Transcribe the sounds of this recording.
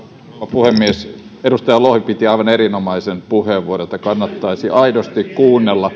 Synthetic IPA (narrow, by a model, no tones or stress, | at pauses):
ɑpuhemːiesedust̪ɑjɑlohʋipit̪iɑiʋɑneɾinomɑisempuheʋʋuoret̪ːˑɑkɑnːɑt̪ːɑisiʔɑidost̪ikkuːnːelːɑ